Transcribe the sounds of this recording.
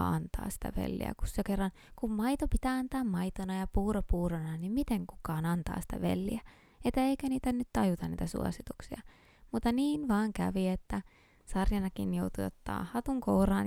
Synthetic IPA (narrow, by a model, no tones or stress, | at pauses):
ɑ̰nt̪ɑ̰ːsi̥t̪æ̰ʋḛlːḭæ̰ku̥ssekerːɑn | kummɑit̪opit̪æːɑnt̪ɑːmmɑit̪onɑjɑpuːropuːronɑnimmit̪eŋku̥kɑːnɑnt̪ɑ̰ːsi̥t̪æ̰ʋḛlːḭæ | et̪ːæeikæniːt̪ænyt̪t̪ɑjut̪ɑnnḭːt̪æsṵo̰sit̪u̥ksiɑ | mut̪ːɑniːnʋɑːŋkæ̰ʋiet̪ːæ | sɑrjɑnɑkinjout̪ujo̰t̪ːɑ̰ːhɑt̪uŋkourɑːn